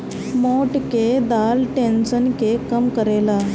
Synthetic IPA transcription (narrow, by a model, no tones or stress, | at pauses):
moʈked̪alʈenɕənkekəmkəɾela